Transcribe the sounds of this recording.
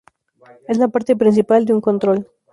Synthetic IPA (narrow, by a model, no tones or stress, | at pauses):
ezlapaɾt̪epɾins̬ipald̪euŋkont̪ɾol